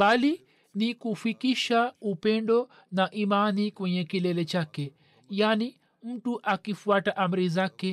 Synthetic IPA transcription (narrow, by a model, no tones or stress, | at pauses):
bali | nikufikiʃaupɛndɔ | naʔimanikwɛɲɛkilɛlɛt͡ʃakɛ | jani | m̩tuʔakifuataʔam̩ɾizakɛ